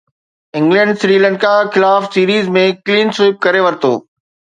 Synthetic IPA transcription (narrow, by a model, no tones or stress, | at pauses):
ɪ̃ŋɡlɛ̃ɳɖsɾiːlə̃ɳɖkaxɪlaːfsiːɾiːzmẽkliːnsɪːp̚kɐɾeʋɐɾt̪o̰ː